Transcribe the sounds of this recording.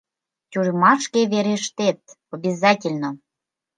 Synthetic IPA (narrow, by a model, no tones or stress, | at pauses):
tʲuɾmɑʃkeβeɾeʃt̪et̪̚ | obʲizɑtʲelʲno